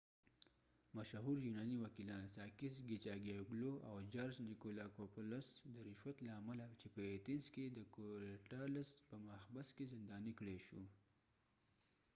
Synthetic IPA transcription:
maʃɦuɾjunɑniwakilɑːnsɑkɪsɡit͡ʃɑɡijaɡloʔawd͡ʒaɾznɪkolakoplasd̪əɾɪʃwat̪laːmalat͡ʃepəet̪insked̪əkoɾeʈalaspəmaxbaskezɪnd̪ɑːnikɽeʃu

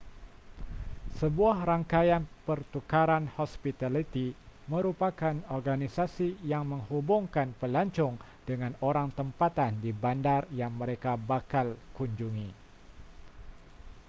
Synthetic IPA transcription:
səbuahɾaŋkajanpərt̪ukaɾanhɔspit̪alit̪iməɾupakanɔrɡanisasijaŋməŋhubʊŋkanpəlaɲt͡ʃɔŋ | dəŋanoɾaŋt̪əmpat̪andibandarjaŋməɾekabakalkuɲd͡ʒuŋi

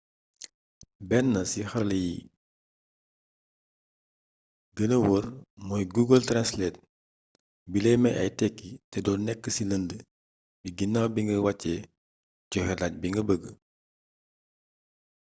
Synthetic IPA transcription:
bɛnːɐsixɐrlɐji | ɡənəwərmɔjɡuɡəltɾanslɛːt̚ | bilɛjmɐjɐjtɛkːitɛdɔːnɛkːəsiləndə | biɡinːaːwbiŋɡəwɐcːɛ | ɟɔxɛlac̚biŋɡəbəɡə

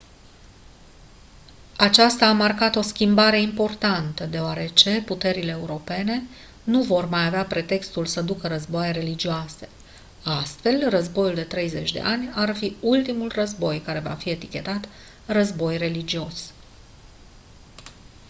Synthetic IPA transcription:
at͡ʃast̪aːmarkat̪o̞skʲimbaɾe̞impo̞rt̪ant̪əd̪e̞oaɾe̞t͡ʃe̞put̪e̞ɾile̞ːuɾo̞pe̞ne̞ | nuvo̞rmajaveapɾe̞t̪e̞kst̪ulsəd̪ukəɾəzboajeɾe̞lid͡ʒioase̞̥ | ast̪fe̞lrəzbo̞juld̪e̞t̪ɾe̞jze̞t͡ʃʲd̪e̞̰ʔanʲarfiult̪imulrəzbo̞jkaɾe̞va̰fie̞t̪ikʲe̞t̪at̪ | rəzbo̞jre̞lid͡ʒio̞s

